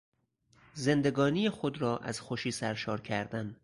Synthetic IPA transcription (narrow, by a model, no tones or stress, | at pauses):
ze̞nd̪eɡɒːnijexod̪ɾɒːʔæ̰z̥xoʃiːsæɾʃɒːɾcʰæɾd̪æn